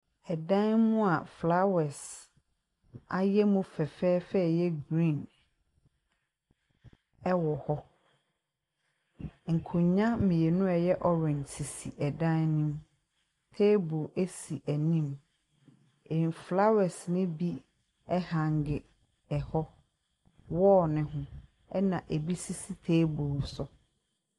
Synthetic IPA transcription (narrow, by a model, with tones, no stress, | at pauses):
ɛ˨dã˦nmʊ̃˦a˨fla˦wɛ˨s | a˨jɛ˦mʊ̃˦fɛ˨fɛː˦fɛ˦˨jɛ˦ɡɾĩ˦˨n | ɛ˦wɔ˨hɔ˦ | ŋ̩˨kʰʊ̃˨ɲã˦mɪ̃˨je˨nʊ̃˦ɛ˨jɛ˦ʔɔ˦ɾɪ̃˨n˨tʰi˨si˨ʔɛ˨dã˦nnɪ̃˦m | tʰe˦bo˨ʔe˦si˨ʔæ˨nĩ˦m | e˨n˨fla˦wɛ˨snɪ̃˦bi˦ | ɛ˦hã˨ŋ˨ɡɪ˨ | ɛ˨hɔ˦ | wɔ˦nɪ̃˦ɦʊ̃˦ | ɛ˦nã˨ʔe˨bi˦si˦si˦tʰeː˦bo˨sɔ˨